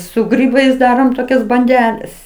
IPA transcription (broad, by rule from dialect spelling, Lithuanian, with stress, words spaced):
sʊ ˈɡrʲiːbɐɪs ˈdɑːroːm toːˈkʲɛs bɐnʲˈdʲæːlʲɛs